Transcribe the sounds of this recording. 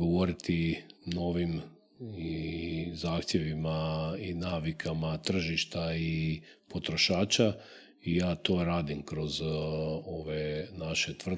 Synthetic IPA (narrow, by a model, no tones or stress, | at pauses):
ɡoʋo̞ɾit̪ino̞ʋim | izaːxt̪jeʋimainaːʋikʰamat̪r̩ʒiʃt̪ai | po̞t̪ɾoʃaːt͡ʃa | ijaːt̪o̞ːɾaːd̪imkɾo̞z | o̞ʋenaʃe̞t̪ʋr̩d̪